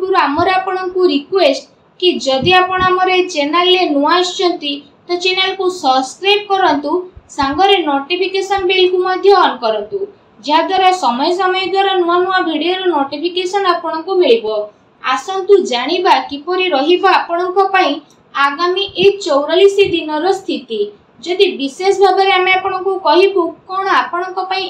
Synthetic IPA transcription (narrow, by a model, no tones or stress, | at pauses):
uɾuamɔɾeapɔɽ̃ɔŋkuɾikwesʈ | kid͡ʒɔd̪iapɔɽ̃ɔamɔɾet͡ʃenalːenuaɔst͡ʃʰɔnt̪i | t̪ɔt͡ʃenelkusɔbskɾajb̚kɔɾɔnt̪usaŋɡɔɾenoʈipʰikesɔnbelkumɔd̪ʱjɔɔnɔkɔɾɔnt̪u | d͡ʒeɦad̪waɾɔsɔmɔjɔsɔmɔjɔd̪waɾɔnuanuabʱiɽijɔɾɔnoʈipʰikesɔnapɔɽ̃ɔŋkumeɭibɔ | asɔnt̪ud͡ʒaɽ̃ibakipɔɾiɾɔɦibɔapɔɽ̃ɔŋkɔpaĩ | aɡamiʔet͡ʃowɾɔlisid̪inɔɾɔst̪ʰit̪i | d͡ʒɔd̪ibisesbʱabɔɾeameapɔɽ̃ɔŋkukɔɦibukɔɽ̃ɔapɔɽ̃ɔŋkɔpaĩ